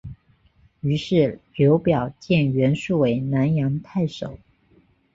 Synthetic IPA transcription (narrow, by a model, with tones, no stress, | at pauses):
y˧˥ʂɻ̩˥˩ljo˧˥ʊpjɑ˨˩ʊt͡ɕjɛ˥˩nɥɛ˧˥nʂu˥˩we˧˥ɪna˧˥njɑ˧˥ŋt̪ʰa˥˩ɪʂo˨˩˦ʊ